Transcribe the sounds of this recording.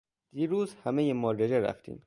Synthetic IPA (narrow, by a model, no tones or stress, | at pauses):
d̪̥iːɾuːzhæmejemɒːɾed͡ʒeɾæ̰ft̪ʰḭːm